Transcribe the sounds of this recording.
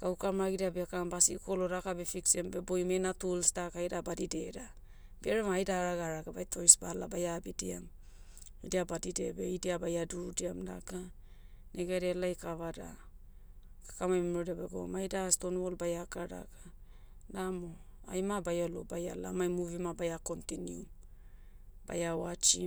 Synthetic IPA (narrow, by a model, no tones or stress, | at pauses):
kaukamɾaɡidiabekambasiko̞lodakabe̞fiksiambe̞bojmenatulstakajdabadideda | beɾemajdaɾaɡaɾaɡabajtʰo̞jsbalabajabidiam | idiabadide̞be̞idiabajaduɾdiamda̰ka | nʔeɡeɾelajkaβada̰ | kḁkamajmamɾodabeɡo̰majdastonolbajakada̰ɡa | namoa̰jmabajalobaja̰la̰majmuvimabajakontinium | ba̰jawat͡ʃi